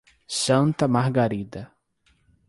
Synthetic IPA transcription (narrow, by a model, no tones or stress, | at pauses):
sɐ̃nt̪ɐmaɦɡaɾid̪ɐ